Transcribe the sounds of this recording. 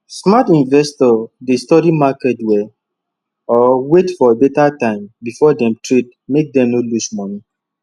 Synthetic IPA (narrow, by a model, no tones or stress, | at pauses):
smatĩnvɛstɔdestɔɾimakɛtwɛ | ɔwetfɔebetatãɪ̃mbifɔdɛ̃mtɹit̚ | mek̚dɛ̃mnolusmɔni